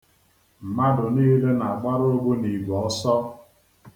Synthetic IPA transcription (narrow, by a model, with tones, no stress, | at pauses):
m̩˨ma˦dʊ˨niː˦le˦na˨a˨ɡ͡ba˦ɾo˦ɡo˦ni˨ɡɔ˦sɔ˦